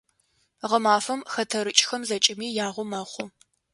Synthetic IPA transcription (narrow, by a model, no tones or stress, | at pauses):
ʁəmaːfɐmxɐtʰɐɾɨt͡ʃʼxɐmzɐt͡ʃʼɪmiːjaːʁʷʊmɐχʷʊ